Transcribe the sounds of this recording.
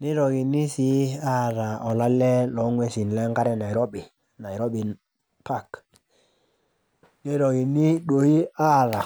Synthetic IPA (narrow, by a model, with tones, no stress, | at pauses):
nɪ˦ɾɔ˨ɡi˨ni˦si˨˦a˦˨ɾa˨ɔ˨la˦lɛ˦lɔ˨˦ŋwɛ˦si˨n˨lɛ˦ŋka˦ɾɛ˦na˨i˨ɾɔ˦bɪ˨ | na˨ɪ˨ɾɔ˦bi˨n | pa˦˨k | ni˦ɾɔ˨ɡi˨ni˦ɗo˨i˦a˦˨ɾa˨